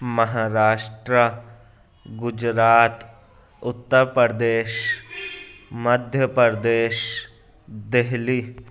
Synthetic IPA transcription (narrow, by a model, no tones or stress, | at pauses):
məɦaːɾaːʃʈɾə | ɡʊd͡ʒɾaːt̪ | ʊt̪ːəɾpəɾd̪eːʃ | məd̪ʱjəpəɾd̪eːʃ | d̪eɦliː